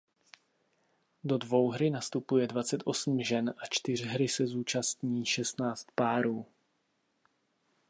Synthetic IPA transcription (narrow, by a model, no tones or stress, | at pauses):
do̞dvo̞wɦɾɪnast̪upujɛdvat͡sɛt̪ʔo̞sm̩ʒɛnʔat͡ʃt̪ɪr̝ɦɾɪsɛzuːt͡ʃast̪ɲiːʃɛst̪naːt͡st̪paːɾuː